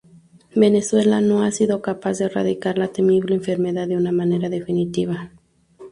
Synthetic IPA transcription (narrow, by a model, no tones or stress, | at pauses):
be̞ne̞swe̞lano̞asiðo̞kapazðeːra̰ðikaɾlat̪emiβleːɱfe̞ɾme̞ðaððeunamãne̞ɾaðe̞finit̪iβa